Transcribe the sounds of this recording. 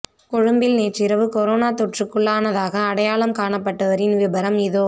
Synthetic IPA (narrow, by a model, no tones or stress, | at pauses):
kɔɻɯmbɪlneːʈrɪɾɐʋɯkɔɾoːnaːt̪ɔʈrɯkːɯɭːaːnɐðaːɣɐːɽɐjaːɭɐmkaːɳɐpːɐʈːɐʋɐɾɪnʋɪbɐɾɐmɪðoː